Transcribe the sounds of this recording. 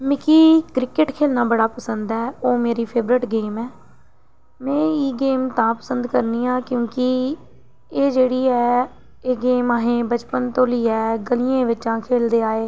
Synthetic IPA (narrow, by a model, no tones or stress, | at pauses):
mɪkiːkɾɪkɪʈkʰeːlnaːbəɽaːpəsənd̪ɛːoːmeːɾiːpʰeːbɾɪʈɡeːmɛː | mɛ̃ːiːɡeːmt̪ãːpə̥sənd̪kəɾniːãːkjõːkɪ | eːd͡ʒeːɽiːɛː | eːɡeːmaːɦẽːbət͡ʃpənt̪õːliːɛːɡəlɪjẽːʋɪt͡ʃãːkʰeːld̪eːaːeː